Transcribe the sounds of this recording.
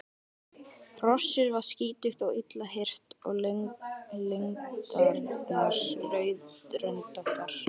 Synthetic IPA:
r̥ɔsːɪɾvaɾ̥sciːt̪ʏxt̪awɪt̪laɦer̥t̪ɔ̰ɣl | leŋkaɾnasrœːɥðɾœnt̪ɔhkaɾ̥

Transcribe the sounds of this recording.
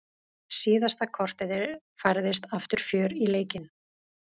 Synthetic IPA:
siːðast̪akʰɔr̥t̪ɪðɪɾ | fajɾðɪst̪aft̪ʏɾ̥fjœːɾileːjcɪn

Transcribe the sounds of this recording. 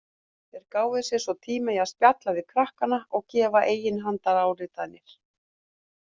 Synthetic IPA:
θɛɾkaːwvɪsjɛsɔt̪ʰiːmaiaðspjat̪lavɪðkʰɾahkanaɔɣcɛːvaʔeːjɪnɦant̪aɾaːwɾɪt̪anɪɾ̥

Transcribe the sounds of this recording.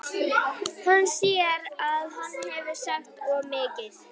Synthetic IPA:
hanːsiːɾaðhanːhɛvɪ̥saht̪ɔɣmɪːcɪð

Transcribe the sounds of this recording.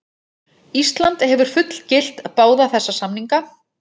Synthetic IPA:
ist̪lant̪hɛvʏɾ̥fʏt̪l̥cɪl̥t̪apaːwðaθɛsːasamniŋka

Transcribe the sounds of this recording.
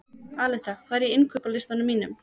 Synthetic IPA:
aːlɛht̪akʰvaːɛɾjɛɪnkʰœpawlɪst̪anʏmːiːnʏm

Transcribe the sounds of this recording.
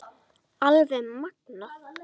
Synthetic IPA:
alvɛmak̚na

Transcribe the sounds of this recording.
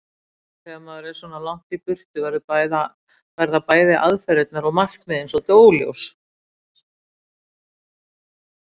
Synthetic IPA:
θɛɣamaðɛɾɛ̥swɔnalawŋ̥t̪ipʏr̥t̪ʏvaɾðʏajða | vaɾðapaːjðɪʔaðfɛɾɛt̪naɾɔɣmar̥kmɪðensɔt̪oːwljo̰ws

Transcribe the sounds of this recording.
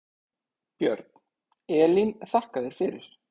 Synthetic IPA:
pjœɾt̪̚n̥ | ɛːlinθahkaðɪɾ̥fɪɾɪɾ̥

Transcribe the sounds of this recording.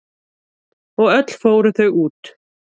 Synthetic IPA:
ɔɣœt̪l̥foːwɾʏθœɣuːt̪

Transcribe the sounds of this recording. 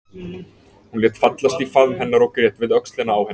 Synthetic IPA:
hunlɛːt̪fat̪last̪ifaðmɦɛnːaɾɔwkɾjɛt̪vɪðœkst̪lɪnaːwhɛ

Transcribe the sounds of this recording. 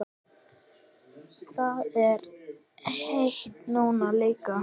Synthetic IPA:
θawɛɾ | heht̪nuːnalejka

